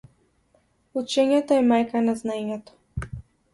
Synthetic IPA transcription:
ut͡ʃɛɲɛt̪ɔɛmajkanaznaɛɲɛt̪ɔ̥

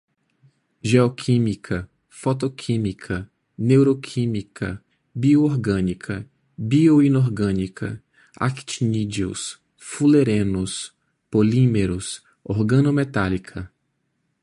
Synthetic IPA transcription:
ʒeɔkʰĩmikʰɐ | fɔt̪okʰĩmikʰɐ | newɾokʰĩmikʰɐ̰ | biooɾɡɐ̃nikʰɐ | bioinoɾɡɐ̃nikʰɐ̰ | a̰ki̥t͡ʃinid͡ʒio̰s | fuleɾẽnʊs | polĩmeɾʊs | oɾɡɐ̃nomet̪alikʰɐ

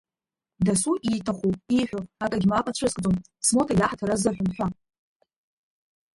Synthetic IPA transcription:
dasuʔitʰaχʷuiħʷᶣoakʼaɡʲimapʼat͡ɕʷʰɨskʼd͡zʼom | smotʰajaħatʰaɾazaħʷᶣʊmħʷᶣa

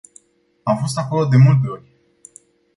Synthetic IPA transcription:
amfo̞st̪ako̞lo̞d̪e̞mult̪̬e̞o̞rʲ

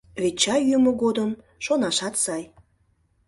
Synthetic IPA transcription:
βet͡ɕɑjymə̆ɣod̪əm | ʃonɑʃɑt̪sɑj

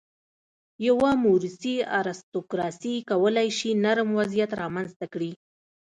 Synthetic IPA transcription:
jawamuɾɪsia̰ɾɪst̪okɾɑsikawəlajʃinaɾmwazijat̪ɾɑmanzt̪akɽi

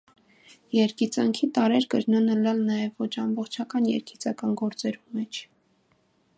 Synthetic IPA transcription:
jɛɾkit͡sɑŋkʰit̪ɑɾɛɾɡəɾnɑnəlɑlnɑjɛvːɔt͡ʃʰɑmbɔχt͡ʃʰɑkɑnjɛ̰ɾkʰit͡sɑkɑnɡɔɾt͡sɛɾumɛt͡ʃʰ

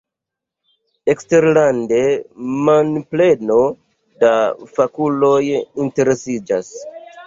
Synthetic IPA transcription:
e̞kste̞ɾlande̞manple̞no̞ | dafakulo̞jinte̞ɾe̞sid͡ʒas

